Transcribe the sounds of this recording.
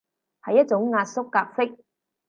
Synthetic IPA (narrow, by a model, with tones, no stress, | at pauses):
hɐ˨jːɐ˦˥t̚t͡sʊ˨˥ŋːaː˧t̚sʊ˥kːaː˧k̚fɪ˥k̚